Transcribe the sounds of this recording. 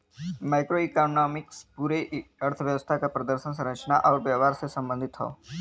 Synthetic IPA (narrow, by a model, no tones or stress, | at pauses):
majkɾoikonomɪkspuɾeəɾt̪ʰəʋjəʋəst̪ʰakapɾəd̪əɾʃəns̬ə̃ɾ̃əkt͡ʃənaʔɔʋʋjəʋaɾsesə̃mbə̃nd̪ʱɪt̪ɦɔ̰o̰